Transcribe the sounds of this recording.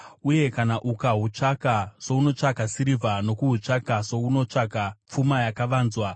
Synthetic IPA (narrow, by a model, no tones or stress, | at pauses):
uje̞kanaʔukaɦut͡ʂakaso̞uno̞t͡ʂakasiɾivʱano̞kuɦut͡ʂakaso̞uno̞t͡ʂakap͡fumajakaʋaːnzwa